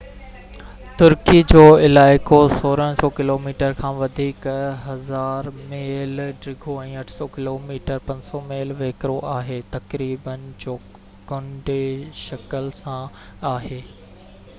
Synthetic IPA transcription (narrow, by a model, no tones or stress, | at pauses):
t̪ʊɾkid͡ʑoːɪlaːɪkosoːɾəɽ̃sɔːkɪloːmiːʈəɾkʰãːʋɐd̪ʱiːkɦɐzaːɾmeːlɖɾɪɡʱoɛ̃ːɐʈʰsɔkɪloːmiːʈəɾpɐ̃ɲsɔmeːlʋeːkɾoʔaːɦeːt̪ɐkɾiːbənɪ̆d͡ʑoː | ɡʊɳɖeʃɐkəlsã | aːɦeː